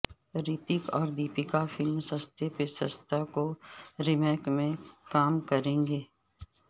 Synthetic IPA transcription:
ɾiːt̪ɪkɔːɾd̪iːpɪkafɪlmsəst̪ʰepesəst̪ʰakoɾɪmɛːkmẽkaːmkɐɾẽːɡeː

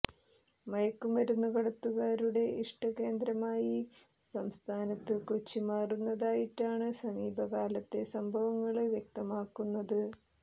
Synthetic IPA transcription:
mɐjɐkːumʋɐɾunːukɐɽɐt̪ːuɣaːɾuɽe̞iʂʈɐke̞ːnd̪ɾɐmaːji | sɐmst̪ʰaːnɐt̪ːɨkut͡ɕːimaːrunːɐðaːjiʈːaːɳɨsɐmiːbʱɐkaːlɐt̪ːe̞sɐmbʱɐʋɐŋːɐɭʋjek̚t̪ɐmaːkːunːɐðɨ

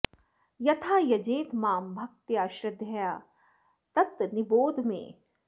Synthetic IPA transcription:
jɐt̪ʰaːjɐd͡ʒeːt̪maːmbʱɐk̚t̪jaːʃɾɐd̪ʱjɐjaː | t̪ɐt̪nɪboːd̪ʱmḛ̃ː

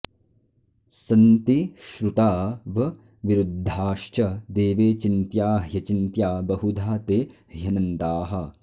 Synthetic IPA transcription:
sɐnt̪iʃɾut̪aːʋɐ | ʋiɾud̪ʱːaːʃt͡ʃɐd̪eːʋeːt͡ʃint̪jaːɦjɐt͡ʃint̪jaːbɐɦud̪ʱaːt̪eːhjɐnɐnt̪aːɦɐ̆

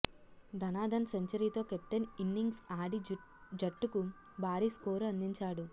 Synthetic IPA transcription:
d̪ɐnaːd̪ɐnseɲt͡ʃɐɾiːt̪o̞ːkep̚ʈɐninːiŋɡsaːɽi | d͡ʒɐʈːuku | bʱaːɾiskoːɾuɐnd̪iɲt͡ʃaːɽu

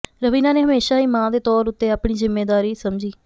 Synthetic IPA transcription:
ɾəʋiːnaːneːɦəmeːʃaːiːmãːd̪eːt̪ɔːɾʊt̪ːeːaːpɳiːzɪmːeːd̪aːɾiːsəmd͡ʒiː

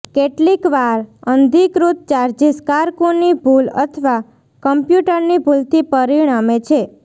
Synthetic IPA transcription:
keʈlikʋaɾənd̪ʱikɾut̪̚t͡ʃaɾd͡ʒiskaɾkonibʱulə̰t̪ʰʋa | kəmpjuʈəɾnibʱult̪ʰipəɾiɽ̃amet͡ʃʰe

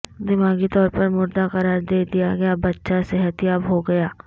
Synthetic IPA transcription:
d̪ɪmaːɡit̪ɔːɾpɐɾmʊɾd̪aqɐɾaːɾd̪eːd̪ijaɡɐjabɐtːʃaseɦət̪ijaːbɦoɡɐjaː

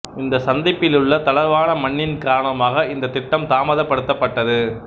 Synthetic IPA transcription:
ɪnd̪ɐsɐnd̪ɪpːɪlɯɭːɐt̪ɐlɐɾʋaːnɐmɐɳːɪnkaːɾɐɳɐmaːɣɐɪnd̪ɐt̪ɪʈːɐmt̪aːmɐðɐpːɐɽɯt̪ːɐpːɐʈːɐðɯ

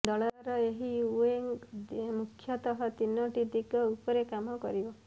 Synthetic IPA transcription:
ɖ̪ɔɭɾɔeɦiueŋmukʰːjɔt̪ɔɦɔt̪inːɔʈid̪iɡɔupɔɾekamɔkɔ̰ɾibɔ

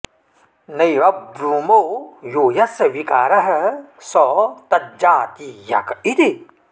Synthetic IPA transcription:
nɐjʋɐbɾuːmojoːjɐsʋikaːɾɐɦɐsɔːt̪ɐd͡ʒaːt̪ijɐ̰kit̪i

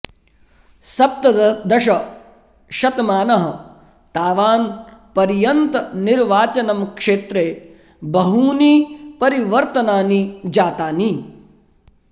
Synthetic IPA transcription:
sɐp̚t̪ɐd̪ɐʃɐ | ʃɐt̪maːnɐɦɐ̆ | t̪aːʋaːnpɐɾijɐnt̪ɐniɾʋaːt͡ʃɐnɐmkʂeːt̪ɾeː | bɐɦuːnipɐɾiʋɐɾt̪ɐnaːnid͡ʒaːt̪aːni

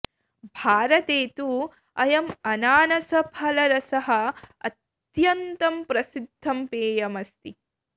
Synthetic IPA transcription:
bʱaːɾɐt̪eːt̪u | ɐjɐmɐnaːnɐsɐpʰɐlɐɾɐsɐɦɐ̆ɐ̰t̪ | jɐnt̪ɐmpɾɐsid̪ʱːɐmpeːjɐmɐst̪i

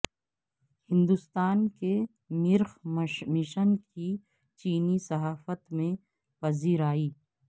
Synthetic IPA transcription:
hɪ̃nd̪ʊst̪aːnke | mɪɾxmɪʃənki | t͡ʃiːnisɐɦaːfət̪mẽ | pɐziːɾaːiː

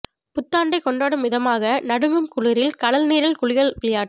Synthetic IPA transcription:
pʊt̪ːaːɳɖɐɪkɔɳɖaːɽɯmʋɪðɐmaːɣɐnɐɽɯmɯmkʊɻɪɾɪlkɐɭɐlniːɾɐlkʊɻɪɣɐɭʋɪlɪjaːʈː

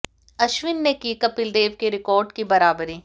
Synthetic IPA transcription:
ɐʃʋɪnːekikɐpɪld̪eːʋkeɾɪkɔːɾɖkibɐɾaːbəɾiː

